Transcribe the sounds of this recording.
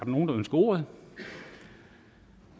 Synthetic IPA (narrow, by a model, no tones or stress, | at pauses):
d̥ɑno̝ːndɑ̈ønsɡ̥əo̝̰ɐð̩ˠ